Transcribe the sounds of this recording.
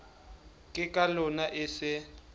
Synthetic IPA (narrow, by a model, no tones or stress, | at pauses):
kʼɪkʼalʊnaʔɪsɪ